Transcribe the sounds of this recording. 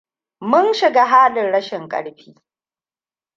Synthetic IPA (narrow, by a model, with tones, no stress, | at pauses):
mʊ˦nʃɪ˨ɡaː˦ɦaː˦lɪ˨nɽɐ˦ʃɪ˨ŋkʼɐ̰˨ɽɸiː˦